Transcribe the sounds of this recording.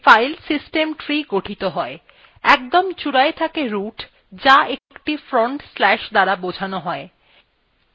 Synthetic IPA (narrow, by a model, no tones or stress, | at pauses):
fajlsisʈemʈɾiɡoʈʰit̪oɦɔe | ɛk̚d̪omt͡ɕuɽaet̪ʰakeɾuʈ | d͡ʑaekʈifɾoɳʈslɛʃd̪aɾabod͡ʑʱanoɦɔe